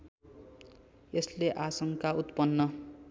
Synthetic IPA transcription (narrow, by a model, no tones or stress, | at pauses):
esleʔasʌŋkaut̪pʌnːʌ